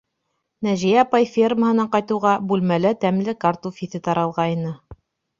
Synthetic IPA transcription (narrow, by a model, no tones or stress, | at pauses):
næʒijæːpɑjfʲirməɦɤ̆nɑqɑjt̪ɤ̆wʁɑbʉlmælɘt̪æmlɘkart̪ufʲiθɘt̪ɑɾɑlˠʁɑinɤ